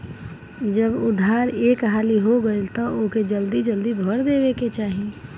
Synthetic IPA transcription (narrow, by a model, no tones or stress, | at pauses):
d͡ʒəbʊd̪ʱaːɾeːkɦaːliɦoɡəet̪ooked͡ʒəld̪id͡ʒəld̪ibʱɔɾd̪eːʋeket͡ʃaːɦie